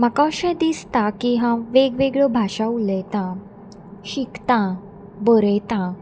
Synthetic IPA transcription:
makaɕɛ̃d̪ist̪akiɦãʋeɡʋeɡɭəbʱaʂaulet̪ã | ɕikt̪ã | bəɾet̪ã

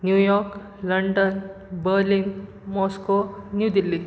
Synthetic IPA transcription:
njujɔɾk | ləɳɖən | bəlin | mɔskonjud̪ilːi

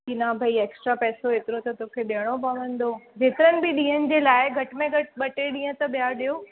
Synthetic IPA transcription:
kinabʱɐieːksʈɾapɛːsoɦeːt̪ɪɾot̪ɐt̪okʰeɗeɦəɽ̃opɐʋə̃nd̪od͡ʑeːt̪ɪɾənɪ̆bʱɪɗĩːɦənɪ̆d͡ʑeːlaːɪɡʱɐʈ̆mẽɡʱɐʈɓɐʈeɗĩːɦə̃t̪ɐɓijaɗijo

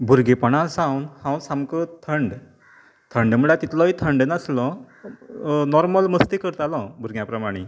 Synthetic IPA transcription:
bʱuɾɡepəɽ̃asãwnhãwnsamkət̪ʰəɳɖ | t̪ʰəɳɖm̤əɭat̪it̪lɔ̃ɦit̪ʰəɳɖənəslɔ̃ | nɔɾməlməst̪ikəɾt̪alɔ̃bʱuɾɡjãpɾəmaɽ̃e

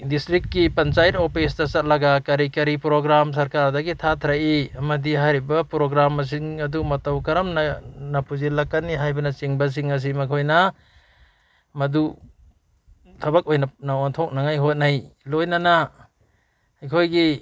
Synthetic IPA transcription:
distɾikːipɐnt͡ʃajtopʰis̬dɐsɐt̚lɐɡɐkɐɾikɐɾipɾoɡɾams̬ɐɾkaɾdɐɡitʰatʰɾaiɐmɐdiɦajɾibɐpɾoɡɾamɐs̬iŋɐdumɐtawkɐɾɐmnɐnɐpuzilɐkːaniɦajbɐnɐt͡ʃiŋbɐs̬iŋɐs̬imɐkʰojnɐ | mɐdu | tʰɐbɐk̚ojnɐnawantʰok̚naŋajɦot̚najlojnɐnɐ | jkʰojɡi

